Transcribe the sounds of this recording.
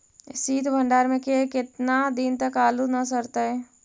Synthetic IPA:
siːt̪ʰbʱə̃ɳɖaːɾmẽkekɪt̪nad̪ɪnt̪ɐkaːlunas̬ɐɾt̪aɛː

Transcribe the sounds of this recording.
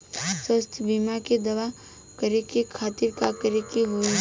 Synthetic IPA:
swəst̪ʰjəbimaked̪ɐʋa | kɐɾekekʰaːt̪ɪɾkakɐɾekiɦo

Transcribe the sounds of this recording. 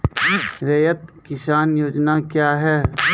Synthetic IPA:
ɾejət̪kɪsaːnjoːd͡ʒnakjaːɦɛː

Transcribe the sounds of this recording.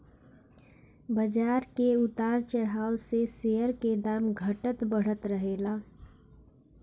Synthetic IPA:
bəd͡ʒaɾkeut̪aɾt͡ʃəɽ̤aosesejəɾked̪amɡʱəʈət̪bəɽ̤ət̪ɾəɦela

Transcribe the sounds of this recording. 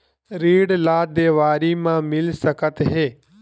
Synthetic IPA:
ɾiːɽlaːd̪eːʋaːɾiːmãːmɪlsəkət̪ɦeː

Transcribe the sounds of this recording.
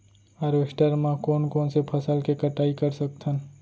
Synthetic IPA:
ɐɾʋesʈəɾmãkoːnkoːnsepʰəsəlkekəʈaːikəɾsək̚t̪ʰən

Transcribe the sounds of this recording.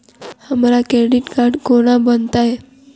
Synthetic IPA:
hamlakɾeɽiʈkaɾɖkoɽ̃abənt̪ae

